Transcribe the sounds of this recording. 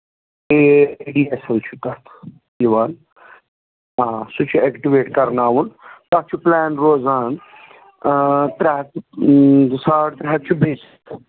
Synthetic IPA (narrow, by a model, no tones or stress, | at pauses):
eɖiːesɐlt͡ʃʰut̪ɐt̪ʰ | iʋaːn | aːsut͡ʃʰuekʈiʋeːʈkɐɾnaːʋunt̪ɐt͡ʃʰuplɛːnɾoːzaːn | t̪ɾaɦ | saːɽt̪ɾɐɦɐk̚t͡ʃʰubʱeːs | t̪ʰ